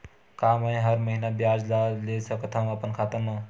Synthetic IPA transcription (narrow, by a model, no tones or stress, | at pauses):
kaməj̃ɦəɾməɦinabjad͡ʒd͡ʒalesəkət̪ʰəməpənkʰat̪əɾme